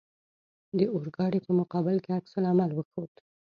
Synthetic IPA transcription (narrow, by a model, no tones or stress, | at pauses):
d̪əoɾɡɑɽipəmʊqɑbɪlkeaksalamalwəxowd̪